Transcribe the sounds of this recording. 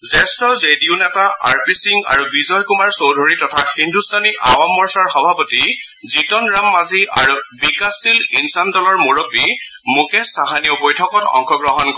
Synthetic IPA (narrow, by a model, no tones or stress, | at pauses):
zɛstɔzediʊnɛtaʔa̰ɹpisiŋɡa̰ɹubizɔjkumaɹsowdʱoɹitɔtʰaxindʱustaniʔawamːɔɹsaɹxɔbʱapɔti | zitɔnɹamːazia̰ɹubikasilinsandɔlɔɹmuɹopi | mukɛsaɦaniʊbojtʰɔkɔtɔ̰ŋkʰɔɡɹɔɦɔnkɔ